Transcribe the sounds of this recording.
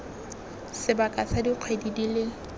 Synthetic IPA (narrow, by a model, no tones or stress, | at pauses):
sɪbakʼat͡sadiq͡χʰwedidilɪ